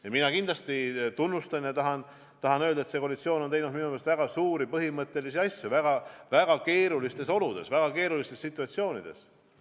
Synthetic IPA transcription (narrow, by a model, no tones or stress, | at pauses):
jɑminɑkind̪lɑst̪it̪unːust̪ɑnjɑt̪ɑɦɑn | t̪ɑɦɑnøld̪̥ɑe̞t̪se̞kolit̪sio̞ːno̞nt̪ejnud̪minumelst̪væɡ̥ɑsuːɾipɤɦimɤt̪ːe̞lisiɑsʲjuvæɡ̥ɑvæɡ̥ɑke̞ːɾulist̪e̞so̞lud̪̥e̞̰svæɡ̥ɑke̞ːɾulist̪esːit̪ːˑuɑt̪sio̞ːnid̪̥e̞̰s